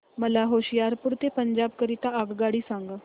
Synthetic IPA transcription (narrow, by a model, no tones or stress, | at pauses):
məlaɦoɕijaɾpuɾt̪epəɲd͡ʒaːb̚kəɾit̪aəɡɡaɽiːsãŋɡa